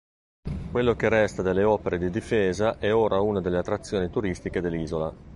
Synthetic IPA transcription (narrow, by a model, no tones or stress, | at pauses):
kwelːokerɛst̪ad̪elːeɔːpeɾed̪id̪ifeːzaʔɛoːɾʔaunad̪elːeat̪ːɾat̪sːjoːnit̪uɾist̪iked̪elːiːzola̰